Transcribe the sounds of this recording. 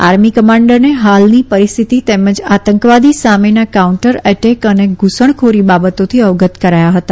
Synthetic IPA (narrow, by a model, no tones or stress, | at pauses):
a̰ɾmikəmãɳɖəɾneɦalnipəɾist̪ʰit̪it̪eməd͡ʒat̪əŋkʋad̪isamenakauɳʈəɾɛʈekəneɡʱusəɳ̃kʰoɾibabət̪ot̪ʰiəʋɡət̪kəɾajaɦət̪a